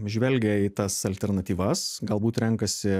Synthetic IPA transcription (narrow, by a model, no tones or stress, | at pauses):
ʒʲʋʲɛlʲɡʲɛiːt̪ɐsɐlʲt̪ʲɛɾnɐt̪ʲiːʋɐsɡɐlˠbuːt̪ɾʲɛŋkɐsʲɪ